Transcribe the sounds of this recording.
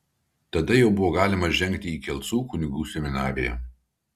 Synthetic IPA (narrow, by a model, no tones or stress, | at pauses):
t̪ɐd̪ɐjɛʊbʊʋoːɡɑːlʲɪmɐʒʲɛŋʲkt̪ʲɪiːkʲɛlˠʲt̪suːkʊnʲɪɡuːsʲɛmʲɪnɑːɾʲɪjɛ̰